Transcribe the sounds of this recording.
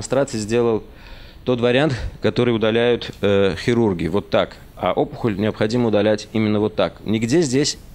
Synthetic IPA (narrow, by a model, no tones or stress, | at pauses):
nst̪ɾat̪sɨɪzʲdʲe̞lˠəlˠ | t̪o̞t̪vəɾʲɪant̪kɐt̪o̞ɾɨjʊd̪ɐlʲæjʊt̪xʲɪɾurɡʲɪːvo̞t̪ːak | a̰ʔo̞pʊ̥xəlʲnʲɪəpxɐdʲiməʊd̪ɐlʲætʲimʲɪnːəvo̞t̪ːaknʲɪɡdʲezʲdʲesʲ